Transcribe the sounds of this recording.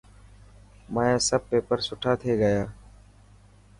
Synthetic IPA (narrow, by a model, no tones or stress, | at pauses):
maːjãːsəb̚peːpəɾsʊʈʰaːt̪ʰeːɡəjaː